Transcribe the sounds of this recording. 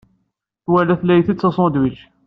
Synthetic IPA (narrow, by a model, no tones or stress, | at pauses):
θwælæθlæjθit͡sːæsˤɔ̃d̪wilʃ